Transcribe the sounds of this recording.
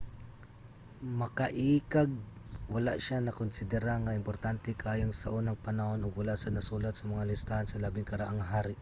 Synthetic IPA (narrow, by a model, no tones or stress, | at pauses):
mɐkaʔiːkaɡ̚ | walaʔʃanɐkʊnsɪd̪ɛɾaŋaɪmpoɾt̪ant̪ɛkaaːjoŋsaʔuːnaŋpɐnaho̞nʊɡwalaʔsɐnɐsuːlat̪sɐmɐŋalɪst̪ahansɐlaːbɪŋkɐɾaʔaŋɦaːɾɪʔ